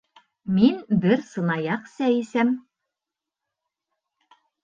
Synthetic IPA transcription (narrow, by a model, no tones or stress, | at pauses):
minbɘɾsɤ̆nɑjɑqsæisæm